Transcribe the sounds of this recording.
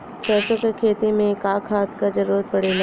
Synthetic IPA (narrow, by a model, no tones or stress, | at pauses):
pɛːsõkekʰeːt̪imẽkaːkʰaːt̪kad͡ʒɐɾuːɾət̪̚pɐɽeːla